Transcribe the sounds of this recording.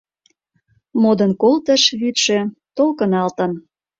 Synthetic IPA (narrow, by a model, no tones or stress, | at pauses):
mod̪ɤ̆nkolt̪ə̆ʃβyt̪ʃĕt̪olkə̆nɑlt̪ə̆n